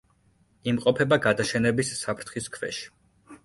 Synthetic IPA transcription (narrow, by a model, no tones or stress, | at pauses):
imqʼɔpʰɛbaɡad̪aʃɛnɛbisːapʰɾt̪ʰχiskʰvɛ̰ʃi̥